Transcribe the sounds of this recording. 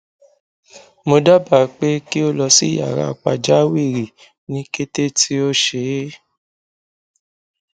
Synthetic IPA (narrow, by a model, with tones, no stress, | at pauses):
mo˧da˦ba˨k͡pe˦ki˦o˦lɔ˧si˦˨ja̰˨ɾa̰˧˨k͡pa˧d͡ʒa˦wi˦˨ɾi˨ | nĩ˦ke˦te˦tʰi˦o˦ʃe˨˦